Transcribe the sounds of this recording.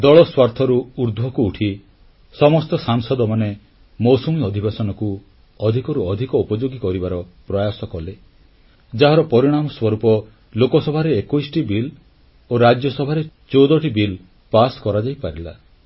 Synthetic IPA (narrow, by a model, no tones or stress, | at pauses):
d̪ɔɭɔswaɾt̪ʰɔɾuuɾd̪ʱwɔkuːʈʰi | sɔmɔst̪ɔsaŋsɔd̪ɔmane | mɔwsɔmiɔd̪ʱibasɔnɔku | ɔd̪ʱikɔɾuɔd̪ʱikɔupɔd͡ʒoɡikɔɾibaɾɔpɾɔjasɔkɔle | d͡ʒaɦɔɾɔpɔɾiɽ̃amɔswɔɾupɔ | lokɔsɔbʱaɾeekɔjsʈibil | oɾad͡ʒjɔsɔbʱaɾe | t͡ʃowd̪ɔʈibil | paskɔɾad͡ʒajpaɾila̰